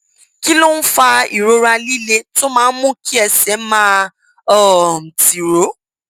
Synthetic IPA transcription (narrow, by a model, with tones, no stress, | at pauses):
ki˦lo˦n̩˦fa˧ḭ˨ɾo˧˦ɾa˧li˦le˧to˦mãː˦˧˦n̩˦mũ˦ki˦ɛ˧˨sɛ˨˦mã˦ | ɔ˦˨m̩˨ti˨ɾo˨˦